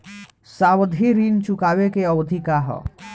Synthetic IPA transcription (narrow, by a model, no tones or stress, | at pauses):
sawəd̪ʱiɾint͡ʃukaːwekeəwəd̪ʱikaɦə̰